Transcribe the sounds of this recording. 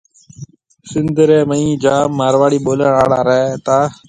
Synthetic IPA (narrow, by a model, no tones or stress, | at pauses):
sɪnd̪ʱɾeːməĩːd͡ʒaːmːaːɾʋaːɽiːɓoːləaːɽaːɾəeːt̪aː